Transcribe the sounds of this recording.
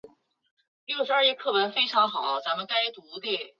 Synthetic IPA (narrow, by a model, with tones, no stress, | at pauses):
ljo˥˩ʊʂɻ̩˧˥ɐ˞˥˧i˥˧kʰɤ˥˩wə˧˥nfe˥ɪʈ͡ʂʰɑ˧˥ŋxɑ˨˩˦ʊt͡sa˧˥mə˧nka˥ɪt̪u˧˥d̪i˥˩